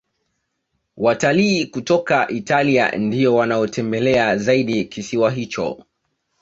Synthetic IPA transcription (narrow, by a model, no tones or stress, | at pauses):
wataliːkutɔkaʔitalia̰ndiɔwanaɔtʰɛmbɛlɛazaiɗikisiwaɦit͡ʃɔ̰